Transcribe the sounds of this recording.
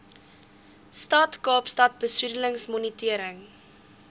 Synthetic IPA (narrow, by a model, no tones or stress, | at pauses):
stɐtkɑːpstɐt̚bəsydələŋsmɔnitiəɾəŋ